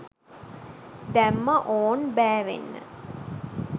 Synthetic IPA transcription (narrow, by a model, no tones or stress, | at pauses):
d̪æmːəʔoːnbæːʋḛnːə̰